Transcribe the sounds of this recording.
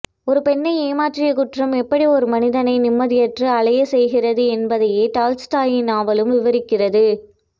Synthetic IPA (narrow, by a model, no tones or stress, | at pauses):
ɔɾɯpɛnːɐɪeːmaːʈrɪjɐkʊʈrɐmɛpːɐɽiɔɾɯmɐnɪðɐnɐɪnɪmːɐðɪjɐʈrɯɐɭɐjɐsɛjɣɪrɐðɯɛnbɐðɐjeːʈaːlsʈaːjɪnaːʋɐlɯmʋɪʋɐɾɪkːɪrɐðɯ